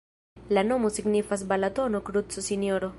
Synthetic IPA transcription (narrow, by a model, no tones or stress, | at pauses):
lano̞mosiɡnifas̬balat̪onokɾut͡sosinoɾo